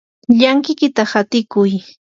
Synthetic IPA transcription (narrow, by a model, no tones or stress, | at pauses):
ʎaŋkɪkɪt̪ahat̪ɪkʊj